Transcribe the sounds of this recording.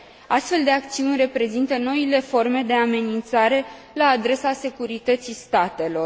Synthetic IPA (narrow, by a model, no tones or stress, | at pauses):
ast̪fe̞ld̪e̞akt̪siunʲre̞pɾe̞zint̪əno̞ile̞fo̞rme̞d̪e̞ame̞nint̪saɾe̞ | laːd̪ɾe̞sase̞kuɾit̪ət̪sist̪at̪e̞lo̞r